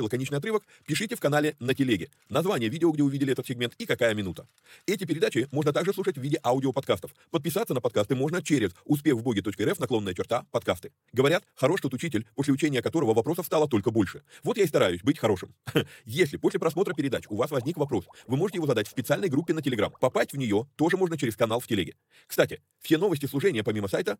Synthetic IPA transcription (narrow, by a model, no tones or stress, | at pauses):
ɪlˠəkɐnʲet͡ɕnɨjɐt̪ɾɨvək | pʲɪʂɨtʲɪfkɐnalʲɪnətʲɪlʲeɡʲɪ | nɐzvanʲɪjəvʲidʲɪoɡdʲeʊvʲidʲɪlʲɪɛt̪ət̪sʲɪɡ̚mʲe̞nt̪ikɐkajəmʲɪnut̪ə̥ | ɛtʲɪpʲɪɾʲɪd̪at͡ɕɪmo̞ʐnət̪aɡʐɨsˠuʂətʲvʲidʲɪʔaʊdʲɪopɐt̪̚kast̪əfpət̪̚pʲɪsat̪sənəpɐt̪̚kast̪ɨmo̞ʐnət͡ɕeɾʲɪzʊspʲexvblo̞ɡʲɪt̪o̞t͡ɕkəɛɾɛfnɐklˠo̞nːəjət͡ɕɪrt̪apɐt̪kast̪ɨ̥ | ɡəvɐɾʲat̪xɐɾo̞ʂt̪ot̪ʊt͡ɕitʲɪlʲpo̞sʲlʲɪʊt͡ɕenʲɪjəkɐt̪o̞ɾəvəvɐpɾo̞səfst̪alˠət̪o̞lʲkəbo̞lʲʂɨvo̞t̪jaɪst̪ɐɾajʊsʲbɨtʲxɐɾo̞ʂɨmjesʲlʲɪpo̞sʲlʲɪpɾɐsmo̞t̪ɾəpʲɪɾʲɪd̪at͡ɕʊvasvɐzʲnʲikvɐpɾo̞svɨmo̞ʐɨtʲɪjɪozɐd̪atʲfʲsʲpʲɪt̪sɨalʲnəjɡɾupʲːɪnətʲɪlʲɪɡɾa̰mpɐpasʲtʲvnʲɪjo̞t̪o̞ʐɨmo̞ʐnət͡ɕɪɾʲɪskɐnalˠfʲtʲɪlʲɪɡʲɪ | kst̪atʲɪ | fsʲe̞no̞vəsʲtʲɪslˠʊʐɛnʲɪjəpɐmʲiməsajt̪ə